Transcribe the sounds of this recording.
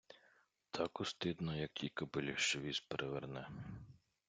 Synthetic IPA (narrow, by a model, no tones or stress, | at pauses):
t̪ʰɑkʊst̪ɪd̪nɔjɐk̚jikɐbɪlʲiʃt͡ʃɔʋʲispeɾʔeʋernɛ